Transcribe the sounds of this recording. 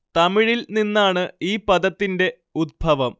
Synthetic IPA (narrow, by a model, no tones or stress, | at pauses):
t̪ɐmiɻilninːaːɳɨiːpɐd̪ɐt̪ːinde̞ | ud̪̚bʱɐʋɐm